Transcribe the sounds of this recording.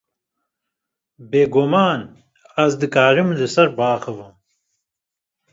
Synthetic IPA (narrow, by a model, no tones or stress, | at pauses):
beːɡomaːn | azd̪ɨkaːɾimd̪əsɐɾbaːχɐvɐ